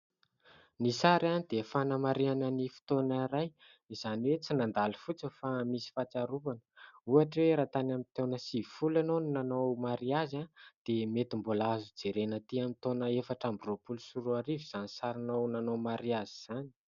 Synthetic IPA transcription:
nisaɾanid̪̥efanəmaɾianənifi̥t̪onaɾaj | iz̥aniwet͡sinand̪alifut͡səfamisi̥fat͡saɾupanə̥uaʈ͡ʂweɾat̪anamint̪ewnəsifulanonnanowmaɾiazand̪̥emet̪imbulazud͡zeɾenət̪iamit̪onəefaʈ͡ʂambiropulusuɾuaɾiviz̥anisaɾinownanomaɾiaziz̥ani̥

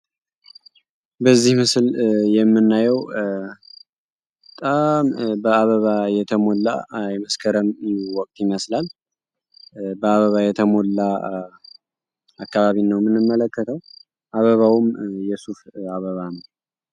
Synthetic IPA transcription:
bəzːihmɨsljɛmːɨnːajɛw | t̪ʼambəaβəβajɛt̪ʰəmo̞lːa̰jɛməskʰəɾəmwɔk̚ʼt̪ʰjɪməslal | bəaβəβajɛt̪ʰəmolːa | akːaβaβinəwmɨnːɨmːələkːət̪ʰəw | ʔaβəβawumjɛsufaβəβanəw

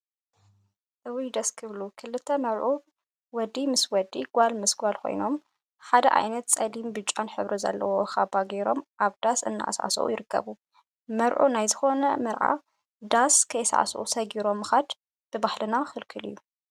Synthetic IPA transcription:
ʔɨwijd̪ɐskʰɨβlukʰɨlːɨt̪ʰːɐmɐɾʔu | wɔd̪imɨswɔd̪iɡʷalmɨsɡʷalkʰo̞̰jno̞m | ħad̪ɐ̰ʔa̰jnɐt̪t͡sʼɐlimbɨt͡ʃʼːanħɨβɾʔizɐ̰lːɐ̰woxabaɡeɾo̞mʔaβd̪̥asɨnːa̰ʔa̰sʕa̰sɐ̰ʔṵjɪɾɨkʰːɐ̰βu | mɐɾʔunajzɨxo̞nɐmɨɾʕa̰ | d̪askʰɐjsʕa̰sʔṵsɐɡiɾo̞mːɨxad̪ | b̥ɨbaħlɨnaxɨlkʰɨlḭjːu

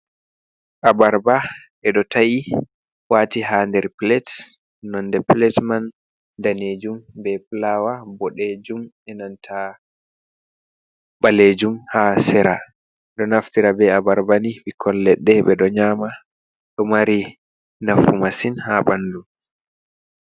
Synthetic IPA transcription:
ʔabaɾba | ʔɛɗɔtʰaji | waːtiɦandɛɾplɛt | nɔndɛplɛtman | daned͡ʒumbɛplawabɔɗed͡ʒum | ɛnantʰa | ɓaled͡ʒumhasɛɾa | ɗɔnaftiɾabɛabaɾbaniɓikʰɔnlɛɗːɛɓɛɗɔɲaːma | ɗɔmaɾi | nafumasinhabandum

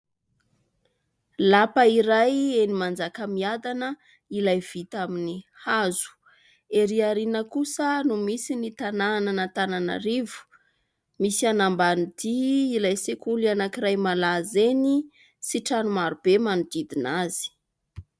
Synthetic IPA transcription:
lapəiɾajenimand͡zakəmiad̪anə | ilajv̥it̪aminihazu̥ | eɾiaɾinəkusənumisinit̪anananət̪anana̰ɾivu̥ | misianambanud̪iːlajsekulianakiɾajmalazeni | siʈ͡ʂanumaɾub̥emanud̪id̪inaz̥i̥

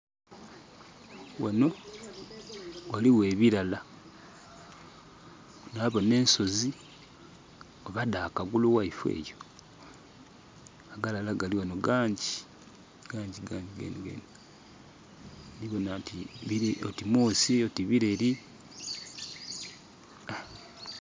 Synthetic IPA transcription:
wano̞ | waliweːβiɾala | naβo̞ne̞ːnso̞zi | oβadaːkaɡuluwaifwe̞̰ːjo̞ | aɡalalaɡaliwanoɡaːɲɟi | ɡ̥aːɲɟiɡaːɲɟiɡḛniɡḛni | niβo̞natiβiotimuːsio̞tiβiɾe̞ɾi | a

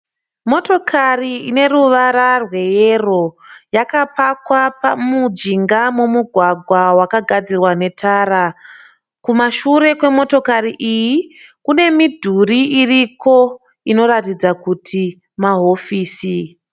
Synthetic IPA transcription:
mo̞to̞kʰariine̞ruʋaɾarwe̞jero̞jakapakwapamud͡ʒiŋɡamumuɡʱwaɡʱwawakaɡʱad͡zirwane̞tʰaːɾa | kumaʃuɾe̞kwe̞mo̞to̞kariʔijikune̞midʱuriiriko̞ | ino̞ɾatid͡zakutʰi | maɦo̞fiːsi

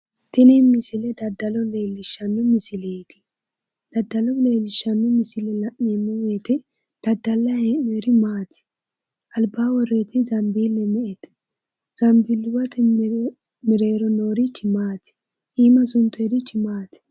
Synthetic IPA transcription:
t̪ɪnimɪsɪlɛd̪ɐd̪ːɐlɔleːlːɪʃːɐnːɔmɪsɪlet̪ɪ̥ | d̪̥ɐd̪ːɐlɔleːlːɪʃːɐnːɔmɪsɪlɛlɐʔːɛmːɔweːt̪ɪ | d̪̥ɐd̪ːɐlːɐhenɛɾɪmaːt̪ɪ̥ | ʔɐlbaːwɔreːt̪ɪzɐmbiːlːɛmɛʔɛt̪ | z̥ɐmbilːʊwɐt̪ɪ | mɪɾe̞ːɾɔnoːɾɪt͡ʃːɪmaːt̪ɪ̥ | ʔiːmɐsʊnt̪ːʊɛɾɪt͡ʃːɪmaːt̪ɪ̥

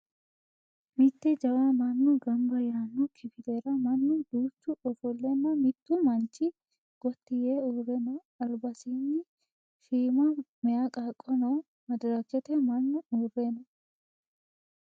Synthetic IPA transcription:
mɪt̪ːɛd͡ʒɐwaːmɐnːuɡɐmbɐjaːnːukʰɪfɪleːɾɐmɐnːud̪̥uːt͡ʃːuʔɔfɔlːɛnːɐmɪt̪ːumɐnt͡ʃɪ | ɡ̥ɔt̪ːɪjeːuːrɛnɔ | ɐɾbɐsiːnːɪ | ʃiːmɐmɛjakʼaːkʼːɔnoː | mɐd̪ɾakːɛt̪ɛmɐnːʊuːreːnɔ

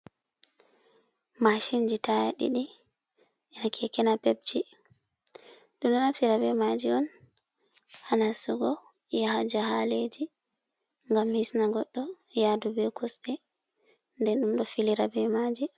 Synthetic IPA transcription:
maʃind͡ʒitajaɗḭɗi | ʔɛnakʰɛkɛnapeb̚t͡ʃi | ɗumɗɔnat͡ʃiɾabɛmad͡ʒiɔn | hanasuɡɔ | jahad͡ʒahaled͡ʒi | ŋɡamhisnaɡɔɗːɔjadubɛkʰɔsbɛ | ndɛnɗumɗɔfiliɾabɛmad͡ʒi

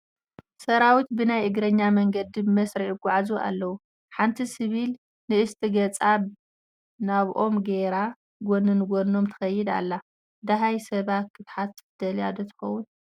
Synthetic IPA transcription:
sɐɾawit̪bɨnajɨɡɾɐɲːamɐŋɡɐd̪ibmɐsɾiɡʷaʕazua̰lːɐwu | ħant̪ʰisɨβil | nɨɨst̪ʰʼiɡɐt͡sʼaβ | naβʔo̞mɡeɾa | ɡonɨnɡonːo̞mt̪ʰɐ̥xɐjːɪd̪a̰lːa | d̪aɦajsɐβat̪̚kʰɨt̪ħat̪sɨ̥d̪̥ɐljad̪ot̪ʰɨ̥xɐwːun

